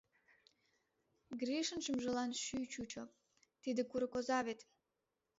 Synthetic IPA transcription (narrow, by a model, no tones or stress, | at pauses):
ɡɾiʃənʃəmʒə̆lɑnʃyt͡ɕut͡ɕo | t̪id̪ə̆kuɾɤ̆kozɑβet̪